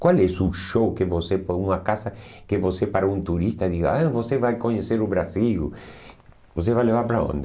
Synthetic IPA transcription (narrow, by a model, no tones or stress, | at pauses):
kwalɛsuʃowkevosepɔũŋɐkasɐkɪvosepaɾoũnt̪uɾist̪ɐd̪iɣa̰ãvosevajkoɲeseɾʊβɾasil | vos̬evajlevaɾpɾaõ̰nd̪ɪ